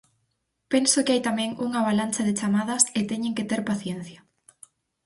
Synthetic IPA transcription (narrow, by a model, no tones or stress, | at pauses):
pensʊkɪajt̪amɛ̃ŋuŋaβalant͡ʃɐðɪt͡ʃamaðɐsɪt̪ɛɲeŋket̪eɾpaθjen̟θjɐ